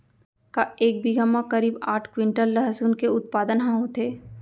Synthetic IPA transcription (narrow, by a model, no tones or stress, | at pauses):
kaeːk̚bʱiɡamːãkɐɾiːbaːʈʰkwɪ̃ɳʈəlːəɦəsuːnkeʊt̪̚paːd̪ənɦãɦot̪ʰeː